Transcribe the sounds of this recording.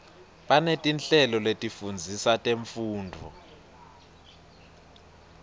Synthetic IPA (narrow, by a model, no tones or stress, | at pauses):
ɓanetʼinɬɛlɔletʼifund͡zʱisatʼeɱfuːndʱɔ̰